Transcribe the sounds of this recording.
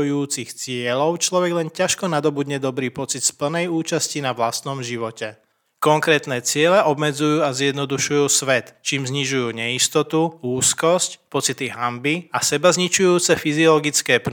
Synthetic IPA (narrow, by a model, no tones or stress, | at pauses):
juːt͡sixt͡sɪɛlɔʊt͡ʃlɔʋɛɡlɛncaʃkɔnad̪ɔbud̪ɲɛd̪ɔbɾiːpɔt͡sit̪spl̩nɛjuːt͡ʃascinaʋlast̪nɔmʒiʋɔcɛ | kɔŋkɾɛːt̪nɛːt͡sɪɛlɛʔɔbmɛd͡zujuːazjɛd̪nɔd̪uʃujuːsʋɛt̪t͡ʃiːmzɲiʒujuːɲɛist̪ɔt̪uuːskɔscpɔt͡sit̪iɦambiasɛbazɲit͡ʃujuːt͡sɛfiziɔlɔɡit͡skɛːp̪